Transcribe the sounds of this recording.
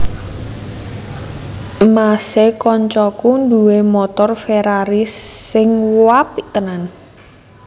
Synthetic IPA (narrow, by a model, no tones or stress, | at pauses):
masekɔɲt͡ʃɔkund̪uwemɔt̪ɔrfeɾaɾisːɪŋwapit̪ənan